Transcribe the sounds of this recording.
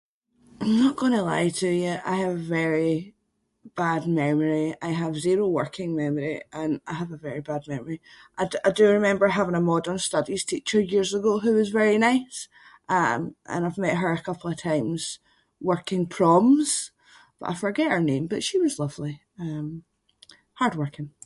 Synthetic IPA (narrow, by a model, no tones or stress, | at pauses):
ãɪ̃mnəʔɡ̥ɔ̃nəlˠa̰ɪtʰɨjəʔa̰ɪəvəvɛɹi | b̥ad̚mɛmə˞iaɪəvziɹowɜ˞kʰɪ̃ŋmɛməɹiʔə̃naɪəvəvɛɹibad̚mɛmə˞iʔaɪaɪdəɹɪmɛ̃mbə˞ɦavɪ̃ŋəmɔdə̃˞nstʌdiz̥tʰit͡ʃə˞jiɹzəɡoɦʉwɔzvɛɹinaɪs | ʔʌ̃mʔə̰̃naɪvmɛʔɦə˞əkʰʌpl̩ˠəv̥tʰãɪ̃mz̥ | wɜ˞kɪ̃ŋpʰɹ̥ɔ̃mz̥ | b̥ʌ̰ʔa̰ɪfə˞ɡɛʔhə˞nẽmbʌʔʃiwʌzlˠʌv̥lˠi | ʌ̃m | haɹd̚wɜ˞kʰɪ̃ŋ